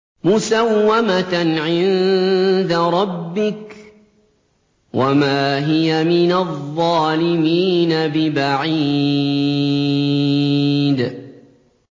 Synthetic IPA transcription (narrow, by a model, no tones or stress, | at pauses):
mʊsawːamaʕɪn | d̪aɾˤɑbːɪk | wʔamaːɦɪjamɪnaðˤːɑːlɪmiːnabɪbaʕi | d̪